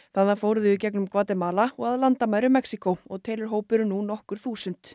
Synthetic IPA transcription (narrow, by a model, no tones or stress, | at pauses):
θaðːafoːwɾʏðʏːcɛknʏmkvaːt̪ɛmaːlaɔɣaðlant̪amajɾʏmɛksikowɔɣt̪ʰeːjlɪɾ̥ɦoːwpɪɾʏnunɔhkʏɾ̥θuːsʏnt̪